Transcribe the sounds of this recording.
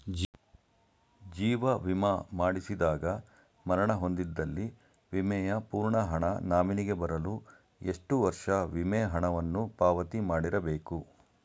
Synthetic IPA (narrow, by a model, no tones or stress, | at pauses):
d͡ʒiːʋɐʋimɐmaːɽisid̪aːɡɐ | mɐɾɐɳɐɦo̞nd̪id̪ːɐlːi | ʋimɛːjɐpuːɾɳɐɦɐɳɐnaːminiɡe̞bɐɾɐlu | e̞ʂʈuʋɐɾʂɐʋimɛːɦɐɳɐʋɐnːupaːʋɐt̪imaːɽiɾɐbe̞ːku